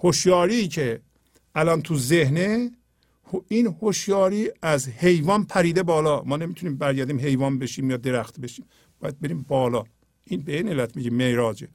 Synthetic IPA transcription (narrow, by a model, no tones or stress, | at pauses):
hoʃjɒːɾiːcʰe | ʔælɒnt̪ʰuzehne | hinhoʃjɒːɾiːæzhe̞jvɒːnpʰæɾiːd̪ebɒːlɒːmɒːne̞mit̪ʰuniːmbæɾɟæɾd̪iːmɦe̞jvɒːnbe̞ʃiːmjɒːd̪e̞ɾæxt̪beʃiːm | b̥ɒːjæd̪̚be̞ɾiːmbɒːlɒː | ʔinbeinelːæt̪ʰmiɟimeɾɒːd͡ʒe